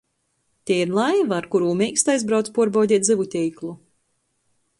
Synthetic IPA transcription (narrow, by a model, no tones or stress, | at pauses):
t̪ʲiɛiɾlˠajvaːɾkuɾuːmʲɛːkst̪ajzbɾawt̪spuɔɾbawdʲiɛt̪d̪zɨvut̪ʲɛjklˠu